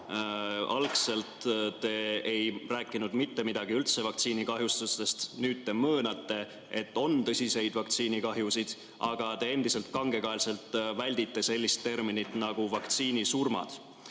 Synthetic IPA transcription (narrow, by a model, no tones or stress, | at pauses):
ɑlkse̞lt̪t̪ːe̞ejræːkːˑinud̪̥mit̪ːe̞mid̪̥ɑɡ̥iylt̪se̞vɑk̚t̪siːnikɑɦjust̪ust̪e̞st̪nyːd̪̥̚t̪ːe̞mɤːnɑt̪ːe̞ | et̪ːo̞nt̪ɤsʲise̞jd̪̥vɑkt̪siːnikɑɦjusid̪̥ | ʔɑ̰ɡ̥ɑt̪e̞end̪ise̞lt̪̚kɑŋɡ̥e̞kɑelse̞lt̪vælʲd̪̥it̪ːe̞se̞lʲːist̪ːe̞rminit̪nɑɡ̥uvɑkt̪siːnisurmɑ̰d̪̥